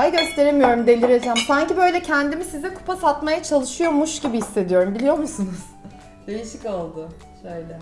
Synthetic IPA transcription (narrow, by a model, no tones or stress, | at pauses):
ajɟø̞st̪ʰe̞ɾe̞mijo̞ɾumd̪e̞lʲiɾed͡ʒæmsaɲcibø̞jlʲɛcʰɛnd̪imisizɛkʰu̥pʰasat̪majat͡ʃʰalˠɯʃɯjo̞muʃɟibihisːe̞d̪ijo̞ɾumbilʲijo̞ɾmusunuz̥ | d̪̥e̞jiʃicolˠd̪ʊ | ʃøjlʲɛ